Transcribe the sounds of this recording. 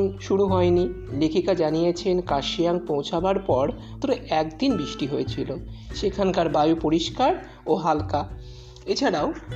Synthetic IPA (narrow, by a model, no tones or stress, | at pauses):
nʃuɽuɦɔeni | lekʰikad͡ʑanijet͡ɕʰenkaʃijaŋpõwt͡ɕʰabaɾpɔɾ | t̪oɾeʔɛkd̪inbɾiʃʈiɦojet͡ɕʰiloʃekʰankaɾbajupoɾiʃkaɾ | oɦalka | et͡ɕʰaɽao